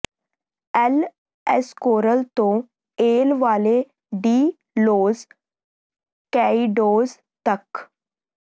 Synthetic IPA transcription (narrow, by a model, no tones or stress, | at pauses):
ɛl | ɛskoːɾəlt̪õ | eːlʋaːle | ɖiː | loːz | kɛiɖoːz | t̪ɐk